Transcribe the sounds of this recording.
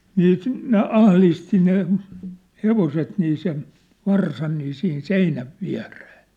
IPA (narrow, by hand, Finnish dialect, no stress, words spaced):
niː ne ɑhlisti ne heʋoset niː sen ʋɑrsɑn niː sihin seinæʋ ʋiæ̝reː